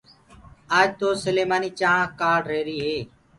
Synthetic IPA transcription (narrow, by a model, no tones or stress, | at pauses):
aːd͡ʒt̪oːsəleːmaːniːt͡ʃaːãkaːɖɾeːɾiːɦeː